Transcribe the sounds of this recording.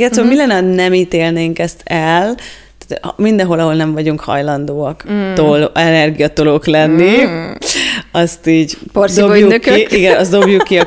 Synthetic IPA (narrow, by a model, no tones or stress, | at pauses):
ɡɛt̪soomilɛnːɛɒnɛmiːt̪eːlneːŋkɛst̪ʰɛl | t̪t̪mind̪ɛ̃ɦo̞lɒɦo̞lnɛɱvɒɟuŋkhɒ̰jlɒnd̪oːɒkt̪olɛnɛrɡijɒt̪o̞loklɛnːi | ɒst̪iːɟpod̪ojuøkːiiɡɛnɒsd̪o̞bjukːiɒ